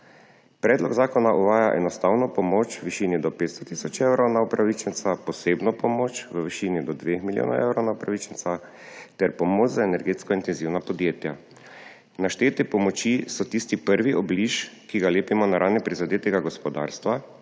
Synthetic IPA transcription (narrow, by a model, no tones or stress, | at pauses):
pɾɛːd̪lɔɡzaːkɔnaʔuʋaːjaʔɛnɔst̪awnɔpɔmot͡ʃʋiʃiːnid̪ɔpeːt̪st̪ɔt̪isɔt͡ʃewɾownaupɾaʋit͡ʃɛnt̪sapɔseːbnɔpɔmoːt͡ʃʋəʋiʃiːnid̪ɔd̪ʋexmiljo̰ːnɔ̰wʔḛwɾɔwnaupɾaʋit͡ʃɛnt̪sa | t̪ɛɾpɔmoːt͡ʃzaɛnɛɾɡeːt̪skɔint̪ɛnziwnapɔd̪jeːt̪ja | naʃt̪eːt̪ɛpɔmɔt͡ʃisɔt̪ist̪ipəɾʋiʔɔbliʃkiɡaleːpimɔnaɾaːnipɾizad̪eːt̪ɛɡaɡɔspɔd̪a̰ːɾst̪ʋa